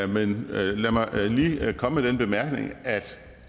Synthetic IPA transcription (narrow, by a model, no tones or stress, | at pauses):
menlæmɑ̈ɪliːkʰɒ̽məmed̥enb̥e̝mæɐɡ̥ne̝ŋæd̥